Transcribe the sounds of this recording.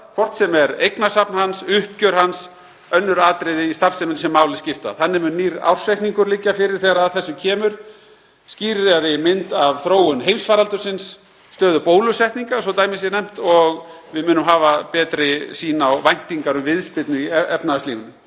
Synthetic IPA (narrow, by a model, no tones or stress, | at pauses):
kʰvɔr̥t̪sɛmɛɾejknasapnhansʏhcœɾ̥hans | œnːʏɾaːt̪ɾɪðɪist̪asɛmɪnsɛmːaːwlɪscɪft̪aθanːɪmnniːɾa̰wr̥sɛjhk̪niŋkʏɾlɪcːafɪɾɪɾ̥θeːɣɾaðθɛsːʏcʰɛːmʏɾ̥ | sciːɾaɾɪmɪnt̪avθɾoːwʏnɦejmsfaːɾalt̪ʏɾsɪnsː | t̪œːðʏpoːwlʏsɛht̪niŋkasɔwt̪aːjmɪs̬jɛnɛm̥t̪ɔɣvɪðmʏːnʏmɦaːvapɛːt̪ɾɪsiːnawvajn̥t̪iŋkaɾʏmvɪðspɪt̪nʏiɛɛpnasliːvʏnʏ